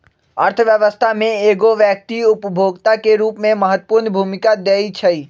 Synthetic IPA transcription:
əɾt̪ʰəʋjəʋəst̪ʰamẽeɡoʋjək̚t̪iʊpəbʱoɡt̪akeɾuːpmẽməɦət̪ːə̥puɾnbʱumɪkad̪ejt͡ʃʰəi

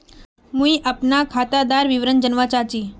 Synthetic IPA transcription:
mũiʔəpnakʰat̪ad̪aɾʋiʋɾənd͡ʒənʋat͡ɕat͡ɕiː

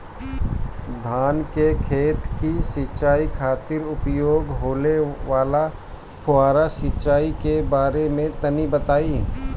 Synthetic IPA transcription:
d̪ʱaːnkekʰeːt̪kisɪt͡ʃaːikʰaːt̪ɪɾʊpjoːɡɦoːleʋaːla | pʰʊaːɾasɪt͡ʃʃaːikebaːɾemẽt̪ɐnibət̪aːi

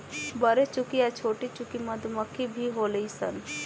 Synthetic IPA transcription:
bəɾet͡ʃʊkiat͡ʃʰoːʈit͡ʃʊkimɐd̪məkʰːibʱiɦoːləisə̰n

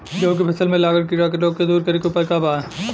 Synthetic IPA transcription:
d͡ʒoõk̬ipʰɐsəlmẽlaːɡəɾkiɾakeloːɡ̚ked̪uːɾkɐɾekeʊpəɾkabaː

